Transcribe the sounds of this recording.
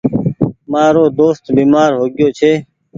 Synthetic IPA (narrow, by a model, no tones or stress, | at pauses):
maːɾoːd̪oːst̪biːmaːɾɦoːɡɪjoːt͡ʃʰeː